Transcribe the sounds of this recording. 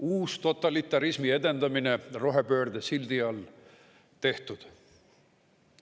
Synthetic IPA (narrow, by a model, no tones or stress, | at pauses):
uːst̪o̞t̪ːˑɑlit̪ːˑɑɾismie̞d̪e̞nd̪ɑmine̞ro̞ɦe̞pø̞ːrd̪̥esild̪̥iɑl | t̪e̞ht̪ud̪̥